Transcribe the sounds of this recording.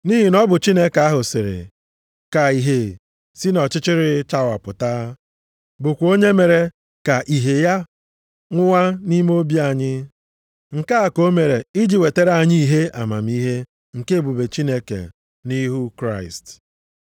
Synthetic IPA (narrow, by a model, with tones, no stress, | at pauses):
ni˦ɦi˨nɔ˦bʊ˨t͡ʃi˦ne˦ka˦ɦʊ˨sɪ˨ɾɪ̰˨ | ka˨i˨ɦe˨ | si˦nɔ˨t͡ʃɪ˦t͡ʃɪ˦ɾɪ˨t͡ʃa˦wa˨pʊ˨ta˦ | bʊ˨kʷo˦ɲe˦me˨ɾe˨ | ka˨ʔi˨ɦe˨ja˦ | ŋʷʊ˦wa˦ni˦m˦o˦bja˦˨ɲɪ˦ | ŋ̩˨ka˦a˨ko˦me˨ɾe˨i˦d͡ʒi˨we˨te˦ɾa˦˨ɲi˦i˨ɦe˦ʔa˨ma̰˨m̩˦i˦ɦe˦ | ŋ̩˨ke˦˨bu˨be˨t͡ʃi˦ne˦kḛ˨ | ni˦ɦu˦kɾa˦˨ɪ˨st